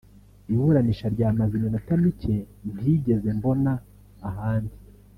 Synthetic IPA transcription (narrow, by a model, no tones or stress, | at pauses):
iβuɾaniʃaɾɟaːmazinonatamice̞ | niːɟe̞ze̞mbo̞naː | ɦaːndi